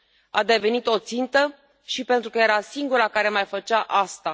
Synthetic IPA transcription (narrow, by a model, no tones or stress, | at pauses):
a̰d̪e̞ve̞nit̪o̞t̪sint̪ə | ʃipent̪ɾukəje̞ɾasiŋɡuɾakaɾe̞majfət͡ʃaʔast̪a